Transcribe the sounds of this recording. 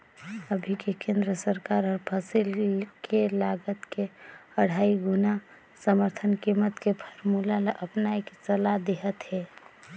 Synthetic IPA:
əbʱikekẽnd̪ɾəsəɾkaɾɔɾpʰasilkelaɡət̪keəɽ̤aiɡuna | səməɾt̪ʰənkimət̪kepʰəɾmulalaʔəpnaiket͡ʃəlad̪eɦət̪ɦɛ

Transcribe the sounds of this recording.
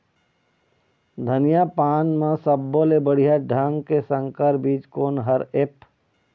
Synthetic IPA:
d̪ʱənɪjapaːnmãsəbːoːlebəɽ̤ijaɖʱaŋɡkesə̃ŋkəɾbiːt͡ʃkoːnɦəɾep

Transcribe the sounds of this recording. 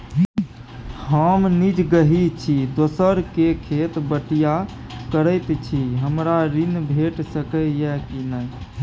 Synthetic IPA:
ɦəmnid͡ʒɡəɦit͡ʃʰid̪osəɾkekʰet̪bəʈija | kəɾəɪt̪t͡ʃʰiɦəmɾaɾinbʱeʈsəkəjɛkinəj

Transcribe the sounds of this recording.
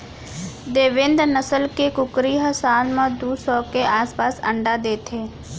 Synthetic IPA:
d̪eːʋɪ̃nd̪nəsəlkekʊkɾiɦəsaːlmãd̪uːsɔːkeʔaːspaːsə̰̃ɳɖad̪eːt̪ʰeː

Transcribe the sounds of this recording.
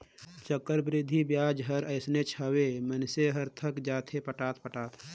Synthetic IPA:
t͡ʃəkːəɾbɾɪd̪ʱːibjaːd͡ʒɦəɾəɪsnet͡ʃʰəwemənseɦəɾt̪ʰəkd͡ʒaːt̪ʰepəʈaːt̪̚ʰpəʈaːt̪ʰ

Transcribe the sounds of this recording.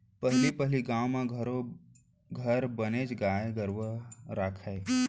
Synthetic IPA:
pəɦlipəɦliɡãːwmãɡʱəɾo | ɡʱəɾbəned͡ʒɡaːeɡəɾʋəɾaːkʰae

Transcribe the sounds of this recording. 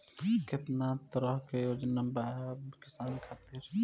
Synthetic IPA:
kɪt̪nat̪ɐɾɔɦkejoːd͡ʒnambakɪsaːnkʰaːt̪iɾ

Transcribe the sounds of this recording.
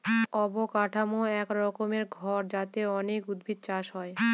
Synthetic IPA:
ɔbokaʈʰamoɛkɾɔkomeɾɡʱɔɾd͡ʑat̪eɔnekud̪bʱit̪̚t͡ɕaʃɦɔe

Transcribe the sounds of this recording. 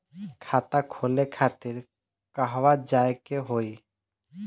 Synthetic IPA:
kʰat̪akʰolekʰat̪iɾ | kaɦwad͡ʒaekeɦoi

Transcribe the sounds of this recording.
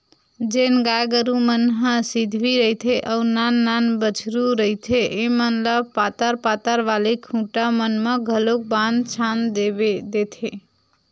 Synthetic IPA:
d͡ʒenɡajɡəɾumənɦə̃sid̪ʱʋiɾəit̪ʰeʔəunanːanbət͡ʃʰɾuɾəɦit̪ʰeʔemənləpat̪əɾpat̪əɾʋalikʰũʈamənmẽɡʱəlok̚band̪t͡ʃʰand̪ebed̪et̪ʰe

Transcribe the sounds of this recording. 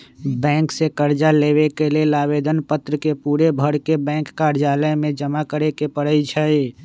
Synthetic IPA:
bɛ̃ːŋksekəɾd͡ʒaleβekelelaːbed̪ənpət̪ɾəkepuːɾebʱəɽkebɛ̃ŋkːaɾd͡ʒaləjmẽd͡ʒəmakəɾekepəɽəit͡ʃʰəi

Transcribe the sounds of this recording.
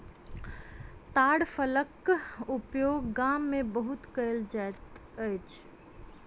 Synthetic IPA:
t̪aːɽfələkʊpjoːɡːaːmːẽbəɦʊt̪kəɪld͡ʒaɪt̪ | ət͡ʃ

